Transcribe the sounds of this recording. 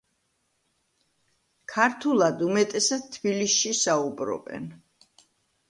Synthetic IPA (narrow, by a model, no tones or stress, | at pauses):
kʰaɾt̪ʰulˠad̪umɛt̪ʼɛsad̪̚t̪ʰːbilisʃisaubɾɔ̰bɛ̰n